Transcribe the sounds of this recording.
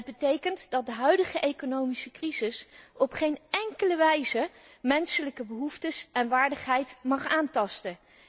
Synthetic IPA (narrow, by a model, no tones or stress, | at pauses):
əd̚bətejkəntdɑt̚dəɦœɥdəχəʔejkonowmisəkrizɪsɔpχejnɛŋkələʋɛjzəmɛnsələkəbəɦuftəsɛnʋaːɹdəχɦɛjtmɑχaːntɑstə